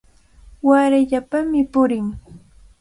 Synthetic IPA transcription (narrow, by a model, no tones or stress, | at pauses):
waɾaʎapamɪpʊɾɪŋ